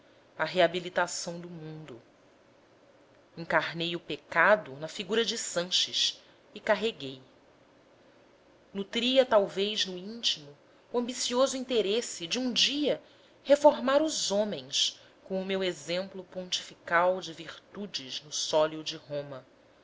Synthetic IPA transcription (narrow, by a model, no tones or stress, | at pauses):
ɐɦeabilit̪asɐ̃w̃d̪ʊmũnd̪ʊ | ĩŋkaɾnejʊpekad̪ʊnɐfiɡuɾɐd͡ʒɪsɐ̃ʃɪʃ | ikaɦeɡej | nut̪ɾiɐt̪awvejznʊĩnt͡ʃimʊː | ɐ̃mbisiozʊĩnt̪eɾesɪd͡ʒɪũd͡ʒiɐ | hefoɾmaɾʊzõmẽj̃s | kõw̃ʊmewezẽmplʊpõnt͡ʃi̥fikawd͡ʒɪviɾt̪ud͡ʒɪznʊsɔliʊd͡ʒɪɦõmɐ